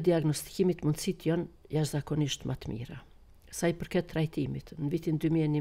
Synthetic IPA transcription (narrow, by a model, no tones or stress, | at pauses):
d̪iaɡnɔst̪i̥kimit̪mund̪sit̪jɔn | jaʃzakɔniʃt̪mʔat̪mḭɾa̰ | sajpəɾkɛt̪ːɾajt̪imit̪nəvit̪ind̪ymiɛni